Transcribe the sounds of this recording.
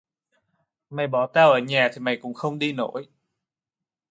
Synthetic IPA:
ma˨˩jɓɔ˨˩˦t̪aː˧wʔəː˧˩ɲaː˨˩t̪ʰi˨˩ma˨˩jkʊ̰˧˥ŋ͡mxə˧wŋ͡mɗi˧no˧˥˦j

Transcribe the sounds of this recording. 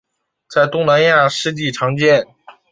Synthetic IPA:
t͡sa˥˧ɪt̪ʊ˥˩ŋna˧˥nja˥˧ʂɻ̩˥˧t͡ɕi˥˩ʈ͡ʂʰɑ˧˥ŋt͡ɕjɛ˥˩n

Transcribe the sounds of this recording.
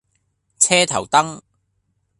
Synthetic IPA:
t͡sʰɛː˥t̪ʰɐ̰˨˩wt̪ɐ˥ŋ

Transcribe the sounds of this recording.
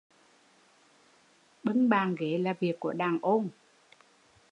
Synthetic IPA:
ɓɨ˧˦ŋɓaː˨˩nɣe˨˦laː˨˩vi˨˩əkːu˧˩əɗaː˨˩ŋʔo˧n

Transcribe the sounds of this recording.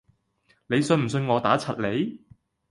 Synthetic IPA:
ne˨˧jsɵ˧nm̩˨˩s̬ɵ˧nŋɔː˨˧t̪aː˨˥t͡sʰɐ˨t̚le˨˧j

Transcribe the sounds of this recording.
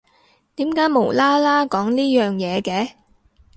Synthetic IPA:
t̪iː˨˥mkaː˨˥jmo˨˩wlaː˥laː˥kɔː˨˥ŋniː˥jœː˨ŋjɛː˨˧kɛː˧˥

